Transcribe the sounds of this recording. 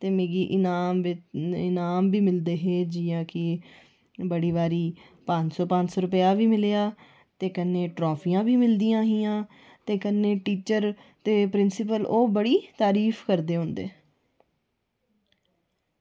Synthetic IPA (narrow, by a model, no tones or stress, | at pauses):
t̪eːmeːɡiːʔɪnaːmɪnaːmbiːmɪld̪eːɦeːd͡ʒɪjãːkɪ | bəɽiːʋaːɾiː | pə̃ɲd͡ʒsɔːpə̃ɲd͡ʒsɔːɾʊpəjaːʋiːmɪleːaː | t̪eːkənːeːʈɾɔːpʰiːãːbiːmɪld̪iːãːɦiːãː | t̪eːkənːeːʈiːt͡ʃəɾ | t̪eːpɾɪnsɪpəloːbəɽiːt̪aːɾiːfʰkəɾd̪eːɦõːnd̪ḛː